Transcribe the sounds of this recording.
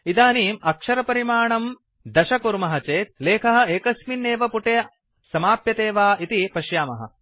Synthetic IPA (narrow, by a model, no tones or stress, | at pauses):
id̪aːniːmɐkʂɐɾɐpɐɾimaːɳɐm | d̪ɐʃɐkuɾmɐɦɐt͡ʃeːt̪̚leːkʰɐɦɐ̆eːkɐsminːeːʋɐpuʈeː | sɐmaːpjɐt̪eːʋaːit̪ipɐʃjaːmɐɦɐ̰